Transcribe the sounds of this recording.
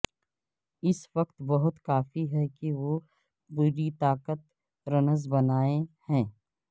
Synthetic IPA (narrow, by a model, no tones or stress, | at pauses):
ɪsʋɐqt̪bɐɦʊt̪kaːfiɦɛkiʋo | puːɾit̪aːkət̪ | ɾɐnəzbɐnaːehɛ̃ː